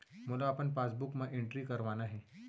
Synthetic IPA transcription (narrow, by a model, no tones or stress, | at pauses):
mulaːpəɳfasbukmãʔiɳʈɾiːkəɾʋanaɦɛ